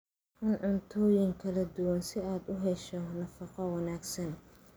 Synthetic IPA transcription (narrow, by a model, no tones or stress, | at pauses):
ħɪnʕʊnt̪ʰɔːjɪŋkʰɐlɐd̪ʊwɐnsɪaːd̪ʊɦɛʃɔnɐfɑqɐwɑnaːɡsɐn